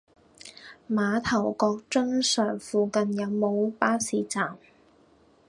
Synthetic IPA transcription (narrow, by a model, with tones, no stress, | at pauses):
maː˨˧t̪ʰɐ˨˩wkɔː˧k̚t͡ʃɵ˥ŋsœː˨˩ŋfuː˨kɐ˨njɐ˨˧wmo˨˧wpaː˥siː˨˩t͡saː˨˩m